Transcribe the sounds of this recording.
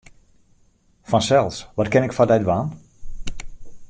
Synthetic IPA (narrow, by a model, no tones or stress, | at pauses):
fɔnsɛlˠsʋɔtkɪnɪkfadɛjdʋaːn